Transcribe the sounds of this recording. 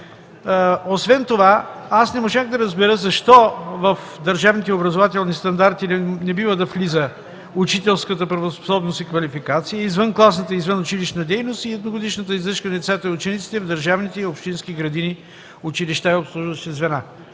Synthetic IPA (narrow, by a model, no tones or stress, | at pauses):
osvɛnt̪ovaasnɛmoʒaɣd̪ɐɾɐzbɛɾəzɐʃt̪ɔvɐf | d̪ɐɾʒavnit̪ɛobɾɐzovat̪ɛlˠnist̪ɐnd̪aɾt̪inɛbivəd̪ɐflizə | ut͡ʃit̪ɛlˠskət̪əpɾɐvospo̥sɔbnost̪ikvɐlifikat̪sijəizvənklˠasnət̪əizvənʊt͡ʃiliʃnɐd̪ɛjnost̪iɛd̪noɡod̪iʃnət̪əizlˠəʃkənɛt̪sɛt̪əʊt͡ʃɛnit̪si̥t̪ɛvd̪ɐɾʒavnit̪ɛiopʃt̪inskiɡɾɐd̪ini | ʊt͡ʃiliʃt̪aiopslˠuʒvəʃt̪ɛzvɛna